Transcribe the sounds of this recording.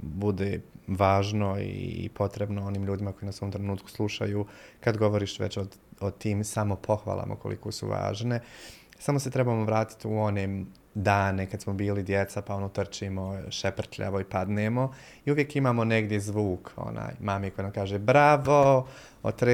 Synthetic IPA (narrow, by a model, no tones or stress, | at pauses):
bud̪eːʋaːʒnoḭpʰo̞t̪ɾe̞bnooniːmʎuːd̪imako̞jinasoːmt̪ɾenuːt̪̚ku̥slˠuʃa̰juːkad̪ɡo̞ʋo̞ɾiːʃʋḛt͡ɕoot̪iːmsamo̞pʰo̞xʋa̰ːlˠa̰ːmo̰kolʔḭkosṵʋa̰ːʒne̞samoset̪ɾe̞bamoʋɾaːt̪i̥t̪uo̞ne | d̪aːne̞kad̪smobiːlid̪jet̪sapaonot̪r̩t͡ʃimoʃepr̩t̪ʎa̰ʋoipad̪neːmo̞ | iuʋjekimaːmo̞neɡd̪jezʋuːko̰na̰ːjmaːmiko̞jenamkaːʒebɾaʋo | o̰t̪ɾe